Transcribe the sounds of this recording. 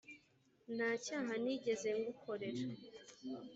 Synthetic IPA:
n̥aːcaːɦaniːɟe̞ze̞ŋɡukʰo̞ɾe̞ʃa

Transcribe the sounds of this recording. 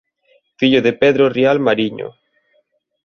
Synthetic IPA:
fiʎoðepɛðɾorialmaɾiɲo̰

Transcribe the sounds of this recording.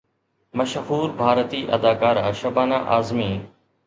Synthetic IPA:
mɐʃhuːɾbʱaːɾət̪iːʔɐd̪aːkaːɾaːʃɐbaːnaːʔaːzmiː

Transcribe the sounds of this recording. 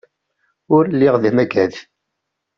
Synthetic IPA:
ʊɾlːiʁðimæɡæð

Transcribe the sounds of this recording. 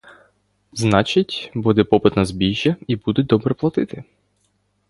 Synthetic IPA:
znɑt͡ʃitʲbud̪ɛpɔpɪt̪nɐzbʲiʒjɐibud̪ʊd̪ɔbɾɛplˠɐt̪ɪt̪ɪ

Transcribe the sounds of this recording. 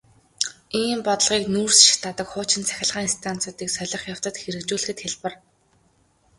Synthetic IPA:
iːmpɔt̪ə̆ɮʁiːknuːrsʃɪ̥xt̪ʰat̪ə̆kχʊːt͡ɕɪ̆nt͡sʰæ̥xʲɪ̆ɮʁaːŋinst̪ʰan̥t͡sʊːt̪iːksœɮʲɞ̆χjaw̥t̪ə̆t̪xeɾɘ̆kt͡ɕuːɮɘ̆xɘ̆t̪xeɮpə̆r

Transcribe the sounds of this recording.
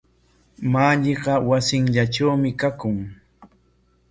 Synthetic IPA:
maʎeɢɑwasɪŋʎaʈ͡ʂawmɪkakʊŋ

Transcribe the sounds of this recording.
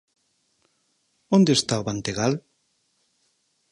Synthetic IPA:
ond̪est̪aoβant̪eɣal

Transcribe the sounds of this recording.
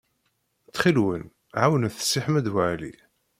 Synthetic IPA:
t͡sːχilwən | ʕawənæθə̥sːiħmæd̪waʕlḭ

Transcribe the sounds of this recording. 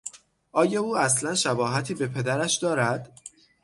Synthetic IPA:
ʔɒːjɒːuːæslænʃæbɒːɦæt̪ʰiːbe̞pʰe̞d̪æɾæʃd̪ɒːɾæd̪̥

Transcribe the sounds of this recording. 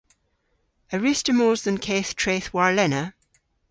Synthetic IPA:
əɹɪstəmoːzðə̃nkʰeːθtʰɹ̥eθwaɹlɛnə

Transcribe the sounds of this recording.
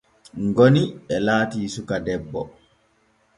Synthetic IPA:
ŋɡoniɓɛlaːtiːsukadɛbːɔ

